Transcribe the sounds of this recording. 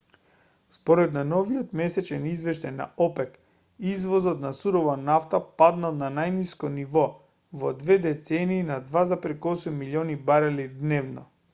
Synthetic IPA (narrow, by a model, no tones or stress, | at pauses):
spɔɾɛd̪nanɔviot̪mɛsɛt͡ʃɛnizvɛʃt̪ajna̰ɔpɛk | izvɔzɔt̪nasuɾɔvanaft̪apad̪nalˠnanajniskɔnivɔ | vɔd̪vɛd̪ɛt̪sɛniːnad̪vazapɾɛkɔsumːiliɔnibaɾalid̪nɛvnɔ̰